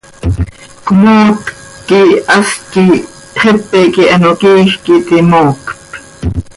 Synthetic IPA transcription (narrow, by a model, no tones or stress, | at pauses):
kmoːt̪ | kːiɑski | χepːekiʔɑnokiːxkit̪imoːkt̪